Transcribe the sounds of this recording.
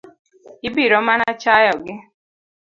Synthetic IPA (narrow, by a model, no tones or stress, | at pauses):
ibiɾɔmanat͡ʃajɔɡɪ